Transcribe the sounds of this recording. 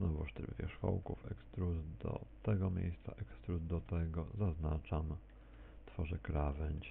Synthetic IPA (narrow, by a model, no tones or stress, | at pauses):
nɔvɔʂt̪ɛɾvʲjɛ̰ʂxɔ̰wkufɛkst̪ɾuzd̪ɔ̰t̪ɛɡɔmʲjḛjst̪sa̰ʔɛkst̪ɾuzd̪ɔt̪ɛɡɔzaznat͡ʂam | t̪fɔʐɛkɾavɛɲt͡ɕ